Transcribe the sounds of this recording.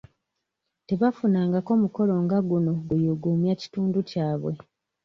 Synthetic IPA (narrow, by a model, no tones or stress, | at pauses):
te̞βafunaːŋɡako̞ːmuko̞lo̞ːŋɡaɡuno̞ɡujuɡumjaci̥tuːnducaːβwe̞